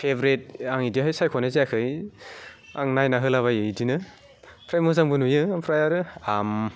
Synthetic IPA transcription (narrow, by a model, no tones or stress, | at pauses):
pʰebɾet̚aŋidiɦajsajkʰɔneziakʰɯj | a̰ŋnajnaɦɯlaβajɯdinɯ | pʰɾajmɯzaŋbɯnujɯmpʰɾajaɾɯam